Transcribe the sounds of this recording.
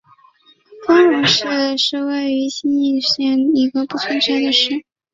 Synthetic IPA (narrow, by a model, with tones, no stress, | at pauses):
fɑ˥ŋɻɔ˨˩ʂɻ̩˥˩ʂɻ̩˥˧we˥˩ɪy˧˥ɕi˥ni˥˧ɕɛ˥˩ni˧˥ɡə˧pu˥˩t͡sʰə˥nʈ͡ʂʰa˧˥nd̪ə˨ʂɻ̩˥˩